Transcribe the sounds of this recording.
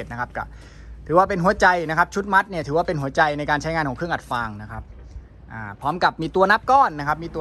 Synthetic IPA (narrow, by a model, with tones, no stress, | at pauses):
t̪̚na˦˥kʰa˦˥p̚kɔ̰˥˩ | t̪ʰɯː˩˦waː˥˩pe˧nɦu˩˦ɐt͡ɕa˧jna˦˥kʰa˦˥p̚t͡ɕʰu˦˥t̪̚ma˦˥t̪̚ni˥˩ɐt̪ʰɯː˩˦waː˥˩pe˧nɦu˩˦ɐt͡ɕa˧jna˧jkaː˧nt͡ɕʰa˦˥jŋaː˧nkʰɔ˨˩˦kʰɯ˥˩˨ʔa˨˩t̪̚faː˧ŋna˦˥kʰa˦˥p̚ | ʔaː˧˩pʰɔː˦˥mka˨˩p̚miː˧t̪u˧ɐna˦˥p̚kɔː˥˩nːa˦˥kʰa˦˥p̚miː˧t̪u˧